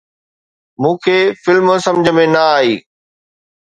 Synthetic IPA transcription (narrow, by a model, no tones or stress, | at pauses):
mũːkʰeːfɪlmsɐ̃md͡ʑʱəmẽnɐaːɦiː